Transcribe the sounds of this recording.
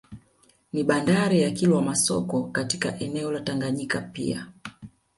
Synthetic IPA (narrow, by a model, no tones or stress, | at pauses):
niɓandaɾijakilwamasɔ̰kɔkatika̰ʔɛnɛɔlataŋɡaɲikapḭa̰